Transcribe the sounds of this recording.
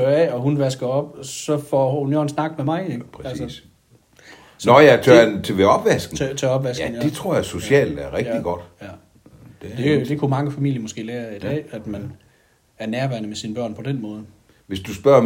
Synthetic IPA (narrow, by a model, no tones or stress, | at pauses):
øɛɒ̽ɦunʋæsɡ̥ɐɒ̽b̥sɒ̽fɒunjoːnsnɑ̈ɡ̥memɑ̈ɪeɡpʰælsə | sɒjæt͡sʰønt͡sʰeʋeɒ̽b̥ʋæsɡ̥n̩ʰt͡sʰøɒ̽b̥ʋæsɡn̩d̥e̝t͡sʰʁo̝ɐ̰jɑso̝ɕɛ̰ːld̥æɐʁɛɡ̥iɡ̥ɒd̥jæ | d̥e̥ed̥e̝kʰumɑ̈ŋəfæmḭl̰jɐmɔ̽sɡ̥e̝̰ːlæːɐid̥ɛ̰ːæd̥mæn | æɐnæɐʋæɐnəmesinb̥ɶɐ̰npʰɒ̽d̥enmɔ̽ːð̞̩ˠə | ʋe̝sd̥usb̥ɶɐ̰